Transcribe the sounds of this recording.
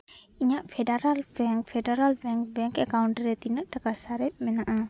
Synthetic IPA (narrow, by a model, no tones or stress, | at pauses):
iɲaʔfʰɛdaɾalbɛŋkfɛdaɾalbɛŋkbɛŋkɛkawɳʈəɾɛt̪inəʔ̚dakasaɾɛp̚mɛnaʔa